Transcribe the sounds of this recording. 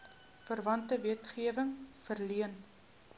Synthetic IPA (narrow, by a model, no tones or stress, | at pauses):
fərvɐntəviətχiəvəŋfərliən